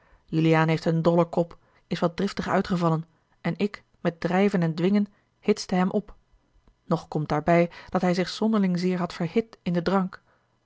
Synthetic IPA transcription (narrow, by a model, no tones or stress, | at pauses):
jylijaːnɦejftəndɔləkɔp | ɪsʋɑt̚drɪftəχœ̰ɥtχəvɑlən | ɛnɪk | mɛt̚drɛjvənɛndʋɪŋən | hɪtsdəɦɛmʔɔp | nɔχkɔmt̚d̥aːɹbɛjd̥ɑtɦɛjzɪχsɔndəɹlɪŋzɪːɹɦɑtfəɹhɪtɪndədrɑŋk